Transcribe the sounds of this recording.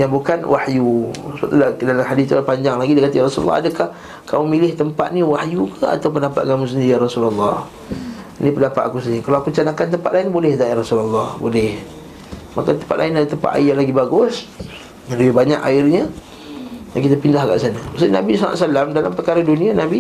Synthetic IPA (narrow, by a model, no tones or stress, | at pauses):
jaŋbukanwʔahjusəbə̰t̪ːuladalamhadist̪ualpaɲd͡ʒaŋlaɡidikat̪iɾasulṵlːɔ̰a̰dəkah | kʰamumilɪht̪əmpa̰t̪niwahjukəa̰t̪awp̬əndapat̪ʔ̪kamus̬əndiɾiaɾasululːɑh | nipəndapat̪ʔ̪akusəndikalawakut͡ʃanakant̪̬əmpat̪lʔaɪnibolɛht̪aarasulalːɑhbolɛh | makat̪əmpat̪̚la̰ɪnadat̪əmpa̰ʔ̪a̰jlaɡibaɡʊs | ɡanləbɪbaɲa̰ka̰ɪrɲə | jaŋkit̪əpindahɡa̰ʔsanamasinabisla̰ʔsalamdalampərkaɾadunianabi